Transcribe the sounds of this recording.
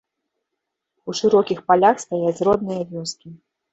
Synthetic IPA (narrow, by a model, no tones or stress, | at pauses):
uʂɨɾɔkʲixpalʲaxst̪ajat͡sʲrɔd̪nɨjɐvʲɔskʲi